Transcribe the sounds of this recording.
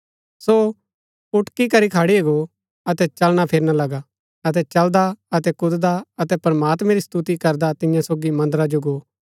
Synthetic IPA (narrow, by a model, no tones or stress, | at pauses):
so | ʊʈkikɐɾikʰaːɽieɡo | ɐt̪ɛt͡ʃɐlɽ̃apʰɪɾnalɐɡa | ɐt̪̬ɛt͡ʃɐld̪aɐt̪ɛkʊd̪d̪aɐt̪ɛpɾɐmaːt̪mɛ̃ɾist̪ut̪ikɐɾd̪at̪ɪ̃jãsoːɡimɐ̃nd̪ɾad͡ʒoɡoː